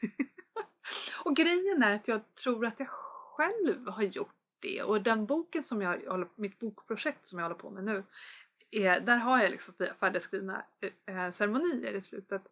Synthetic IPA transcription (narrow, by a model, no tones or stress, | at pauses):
ɔɡɾɛjːənæɾat̪jɑːɡt̪ʰɾuːɾat̪jɑɡɧɛlvɦaɾjʊʈ | d̪̥ɛ̰ɔd̪ɛnbuːkənsɔmjɑhɔlːəɾmɪt̪̚buːkpʰɾʊʂɛk̚t̪sɔmjɑhɔlːəɾpʰɔ̰mɛnʉ̟ː | ɛd̪æːɾɦajalɪ̰ksɔmfifæːɖɛskɾiːvna̰ | sæɾmʊniːə̰ɾɪslʉ̟ːt̪ət̪